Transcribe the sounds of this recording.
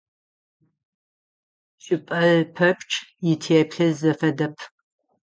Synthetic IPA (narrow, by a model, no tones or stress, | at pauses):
ɕʼɪpʼɐɮpʰɐpʰʼʈ͡ʂʼjɪtʰeɛpɬɐzɐfɐdɐpʰ